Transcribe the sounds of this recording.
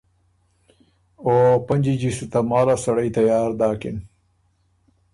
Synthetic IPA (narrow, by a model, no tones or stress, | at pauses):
oːpɐnʲd͡ʑid͡ʑisut̪ɐmaːlasɐɽɐjt̪ɐjaːɾd̪aːkin